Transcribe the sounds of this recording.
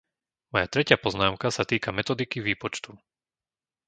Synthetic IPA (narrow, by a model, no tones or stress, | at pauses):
mɔjat̪ɾɛcɪapɔznaːmkasat̪iːkamɛt̪ɔd̪ikiʋiːpɔt͡ʃt̪u